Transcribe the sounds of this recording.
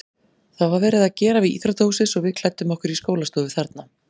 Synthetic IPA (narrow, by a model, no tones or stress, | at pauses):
θawvaɾvɛːɾɪðacɛːɾaviðḭːt̪ɾat̪ohwsɪsɔɣvɪðkʰl̥ajt̪ːʏmɔhkʏɾiskoːwlast̪ɔːðɪθaɾt̪̚na